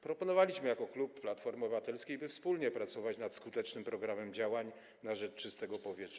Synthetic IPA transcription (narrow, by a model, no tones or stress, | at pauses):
pɾɔpɔnɔvalʲiɕmɘjakɔklupːlat̪fɔɾmɔbɘvat̪ɛlskʲejbɘfspulɲɛpɾat̪sɔvat͡ɕnat̪skut̪ɛt͡ʂnɘmpɾɔɡɾamɛmd͡ʑawaɲ | naʐɛt͡ʂt͡ʂɘst̪ɛɡɔpɔvʲjɛtʂ